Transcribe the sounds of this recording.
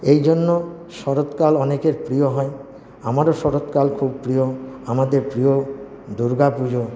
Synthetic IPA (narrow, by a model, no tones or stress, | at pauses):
ejd͡ʑonːo | ʃɔɾot̪kalɔnekeɾpɾijoɦɔe | amaɾoʃɔɾot̪kalkʰub̚pɾioamad̪eɾpɾio | d̪uɾɡapud͡ʑo